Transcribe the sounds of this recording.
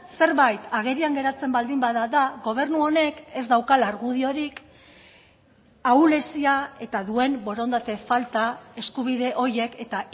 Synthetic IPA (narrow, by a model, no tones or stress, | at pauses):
se̞ɾβajt̪aɣ̞e̞ɾiaŋɡe̞ɾat͡se̞mbald̪imbaðaðaɡo̞β̞e̞ɾnuo̞ne̞ke̞zd̪awkalaɾɣuð̞io̞ɾik | awle̞siae̞t̪aðue̞mbo̞ɾo̞nd̪at̪e̞falt̪ae̞skuβ̞iðe̞ʔo̞je̞ke̞t̪a